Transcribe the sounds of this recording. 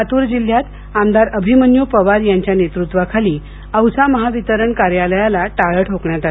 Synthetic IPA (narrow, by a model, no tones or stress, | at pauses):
at̪uɾd͡ʑil̤ːjat̪ | amd̪aɾəbʱimənjopəʋaɾjaɲt͡ɕjanet̪ɾut̪ʋakʰaliː | əwsaməɦaʋit̪əɾəɳkaɾjaləjalaʈaɭəʈʰokɳjat̪a